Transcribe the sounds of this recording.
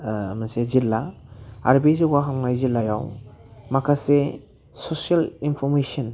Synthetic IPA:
mansezilːaa̰ɾbisewɡaɦamŋajzilːajawmakʰase | sosialinpʰɔɾmesɔn

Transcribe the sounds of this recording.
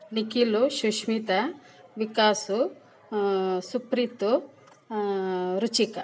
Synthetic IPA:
nikiluʃuʃmit̪ɐ | ʋikaːsu | supɾit̪u | ɾut͡ʃikɐ

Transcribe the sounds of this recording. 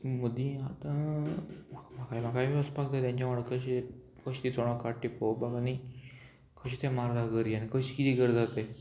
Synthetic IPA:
məd̪ĩat̪ã | mamakaim̤akaimiəspaɡt̪at̪jãɲt͡ɕamaɭəkəɕe | kəɕt̪it͡sɔɽ̃ɔ̃kaʈːipowbaɡani | kʰəɕit̪ʰẽmaɾd̪ʱaɡəɾianikəɕikit̪iːɡəɾd͡zat̪e

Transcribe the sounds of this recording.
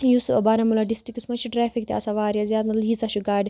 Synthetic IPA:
jusbaɾɐmulaɖisʈɾikismɐt͡ʃʰiʈɾeːfʰikt̪ʲiɐ̰saʋaːɾjazjaːd̪mɐt̪ljiːzɐʃuɡaːɖʲ

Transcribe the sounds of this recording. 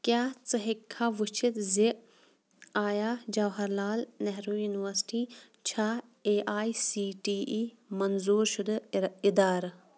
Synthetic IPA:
kjaːt͡sɐɦikʰːaːʋut͡ʃʰit̪zi | aːjaːd͡ʒɐwɦɐɾlaːlnɛɦɾuːjuːniʋəɾsʈiː | t͡ʃʰaːeːʔaːisiːʈiːʔiː | mɐnzuːɾʃʊd̪ɪd̪aːɾ

